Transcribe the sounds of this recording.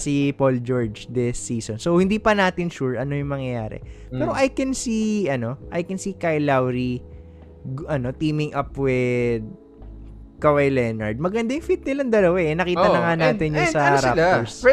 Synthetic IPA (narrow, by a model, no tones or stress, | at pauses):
sipold͡ʒo̞ɹd͡ʒd̪ɪsːiːsonsowhɪ̃nd̪ipɐnaːt̪ɪnʃuɹʔɐno̞jʊŋmɐŋjɐjaːɾɛ̰pɛːɾoʔajkɛnsiɐno̞ʔɐjkɛnsikajlawɾi | ɡɐno̞t̪iːmɪŋʔɐpwɛd̪̚ | kɐwajlɛnɐɹd̪̚mɐɡɐnd̪ajʊŋfit̪̚nɪlɐŋd̪ɐlɐwaɛnɐkiːɐnɐŋanaːt̪ɪnjʊnsɐɾals